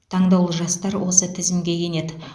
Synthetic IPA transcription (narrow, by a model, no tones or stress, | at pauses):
t̪ʰɑɴd̪ɑwlˠəʒɑst̪ɑɾwo̞sət̪ʰɪzɪmɡʲe̞je̞ne̞d̪ɪ